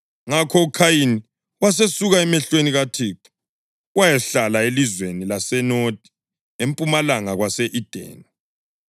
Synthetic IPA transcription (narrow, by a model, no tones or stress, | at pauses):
ŋakʰɔukʰajini | was̬esuɣaɛmɛɬweniɣatʰikʰḁ | wajɛɬalaelizwenilasɛnotʼi̥ | empʼumalaŋaɣwasɛʔid̥ʱɛ̰ːna